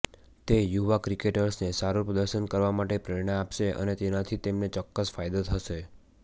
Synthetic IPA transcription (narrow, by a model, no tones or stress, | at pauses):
t̪ejuʋakɾikeʈəɾsnesaɾupɾəd̪əɾʃənkəɾʋamaʈepɾɪɾɳəapʃeʔə̰net̪enat̪ʰit̪emnet͡ʃɔkːəsfajd̪ot̪ʰəʃe